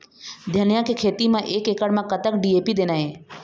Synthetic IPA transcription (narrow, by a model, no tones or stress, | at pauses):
d̪ʱjɐnjãkekʰeːt̪imãʔeːkekəɽmãkət̪əkɖieːpid̪eːnaɦeː